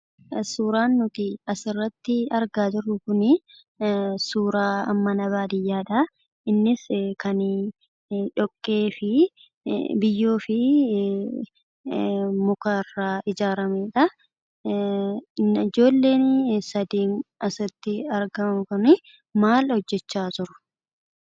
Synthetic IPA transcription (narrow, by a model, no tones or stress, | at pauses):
suːɾaːnːʊt̪ɪɐsɪrːɐt̪ːɪɐɾɡaːd͡ʒɪrːʊkʊnɪ | suːɾaːɐmːɐnɐβaːd̪ɪjːaːᶑɐ | ɪnːɪskɐn | ᶑɔkʼːeːfɪ | bɪjːoːfɪ | mʊkaːrːaːʔɪd͡ʒaːɾɐmeːᶑɐ | ɪd͡ʒo̞ːlːe̞ːnsɐd̪iːnɐsɪt̪ːɪɐɾɡɐmɐmkʊnɪ | maːlhɔd͡ʒːɛt͡ʃːaːt̪ʊɾʊ̥